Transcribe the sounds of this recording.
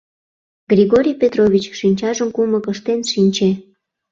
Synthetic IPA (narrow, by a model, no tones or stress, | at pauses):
ɡrʲiɣoɾʲijpʲet̪roβʲit͡ɕkʃinʲt͡ɕɑʒəmkuməkəʃt̪enʃinʲt͡ɕe